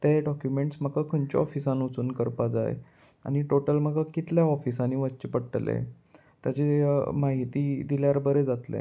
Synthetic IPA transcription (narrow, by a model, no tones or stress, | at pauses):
t̪eɖɔkjumeɳʈsməkakʰəɳt͡ɕɔɔfisãnut͡suːnkəɾpad͡za̰j̰ | a̰ñiʈoʈəlm̤əɡakit̪ljaɔfisaniʋət͡ɕipəɽʈlḛ | t̪jat͡ɕemaɦit̪iːd̪iljaɾbəɾed͡zat̪lḛ